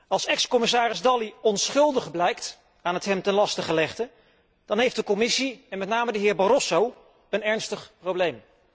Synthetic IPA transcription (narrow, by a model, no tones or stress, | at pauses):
ɑlˠsɛkskɔmɪs̬aːɾɪzdɑliɔnsχɵlˠdəχblɛjkt | aːnətɦɛmtɛnlɑstəχəlɛχtə | d̥ɑnɦejftdəkɔmɪsiɛnmɛtnaːmədəɦɪːɹbɑɾɔsow | ənɛɹnstəχprowblejm